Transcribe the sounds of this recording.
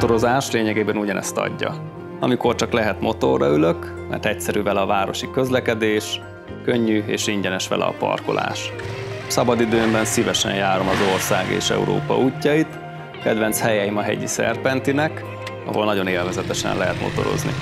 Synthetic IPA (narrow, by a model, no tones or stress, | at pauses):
t̪o̞ɾo̞zaːʃleːɲɛɡeːbɛnuɟɒnɛ̰st̪ɒ̰ɟːɒ | ɒmiko̞rt͡ʃɒklɛɦɛt̪mo̞t̪o̞rːɒyløk | mɛ̰rt̪ɛc̚sɛɾyːvɛlɛɒvaːɾo̞ʃikø̞zlɛkɛd̪eːʃ | køɲːyeːʃiɲɟɛnɛʃʋɛ̰lʔɛ̰ɒ̰pɒ̰rko̞lʔa̰ːʃsɒbɒd̪id̪øːmbɛnsivɛʃɛ̰ɲjaːɾo̞mɒzo̞rsaːɡḛːʃɛ̰ṵɾo̰ːpɒ̰ʔuːcːɒit̪ | kɛd̪vɛnt̪shɛjɛjimɒɦɛ̰ɟisɛ̰rpɛnt̪inɛk | ɒɦo̞lnɒɟo̞neːlvɛzɛt̪ɛʃɛ̰nlɛɦɛt̪mo̞̰t̪o̞ɾo̞̰znḭ